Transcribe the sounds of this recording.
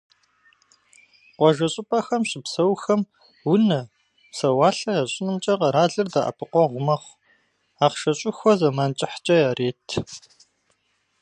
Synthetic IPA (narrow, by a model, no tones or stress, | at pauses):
qʷɔʒɐɕʼɪpʼɐxɐmɕɪpsɐwxɐm | wʊnɐ | sɐwaːɬɐjaːɕʼɪnɨmt͡ʃʼɐqɐɾaːɮɨrda̰ːʔɐ̰pʰɨqʷɔʁʷʊmɐχʷ | aːqʃɐɕʼɪxʷɔzɐmaːnt͡ʃʼɪħt͡ʃʼɐjaːreːtʰ